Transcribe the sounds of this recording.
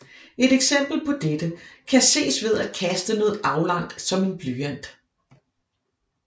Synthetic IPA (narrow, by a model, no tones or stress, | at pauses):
e̝ɾ̥eɡ̥sem̰b̥l̩pʰɒ̽d̥ed̥əkʰæse̝̰ːsʋe̝ð̞ˠæd̥̚kʰæsd̥ənɔ̽ːð̩ˠʔɑ̈ʊlɑ̈ŋ̰d̥sɒ̽me̝nb̥lyːæn̰d̥